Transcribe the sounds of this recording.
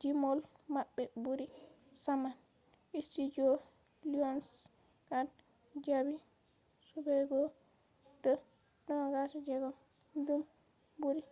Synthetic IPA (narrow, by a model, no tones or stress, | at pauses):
d͡ʒimɔlmabːɛbuɾi | saman | istid͡ʒɔ | liɔns | kan | d͡ʒabi | subɛɡɔ | dɔ | dɔɡasud͡ʒɛɡɔ | dum | buɾi